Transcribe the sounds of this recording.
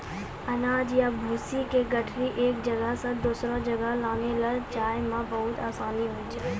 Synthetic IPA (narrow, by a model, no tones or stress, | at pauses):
ɐnaːd͡ʑijabʱuːsikeːɡɐʈʰɾiʔeːk̚d͡ʑɐɡəɦsãd̪uːsɾãd͡ʒɐɡəɦlaːnelaːd͡ʒaːɪmãbɐɦʊt̪aːsaːliɦuit͡ʃə